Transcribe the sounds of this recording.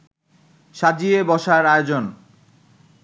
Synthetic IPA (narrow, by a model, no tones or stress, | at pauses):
ʃad͡ʑiebɔʃaɾaeod͡ʑon